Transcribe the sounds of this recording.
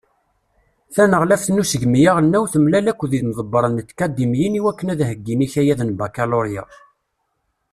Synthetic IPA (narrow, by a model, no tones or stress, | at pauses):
θænəʁlæfθnusəʝmijaʁənːæwθəmlælækʷːðiðmðˤəbːəɾˤənət̪ːkæd̪imjəniwækːənæðɦəɡːiniçæjæðənbækæloɾja̰